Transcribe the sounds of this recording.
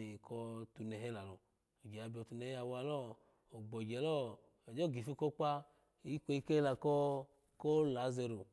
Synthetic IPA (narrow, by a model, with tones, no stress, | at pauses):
kʰɔ˧tu˧˨nɛ˨ɦɛ˦la˨lo˨ | o˨d͡ʒɛ˨a˧˨bi˦ɔ˧tu˧nɛ˧˨˦a˧wa˧lɔ˦ | o˨ɡ͡bɔ˨ɡɛ˨lɔ˦ | ɛ˨d͡ʒɔ˦˨ɡi˨fi˦ko˦k͡pa˦˨ | i˦kʷo˧˦i˧ke˦la˨kɔ˦ | ko˦la˨˦ze˧ɾo˨